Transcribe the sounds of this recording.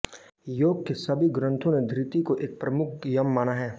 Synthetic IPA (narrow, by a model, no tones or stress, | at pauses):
joːɡ̚kesɐbʱiɡɾə̃nt̪ʰõned̪ʱɾɪt̪ikoʔeːk̚pɾɐmʊk̚ʰjɐmːaːnaɦɛː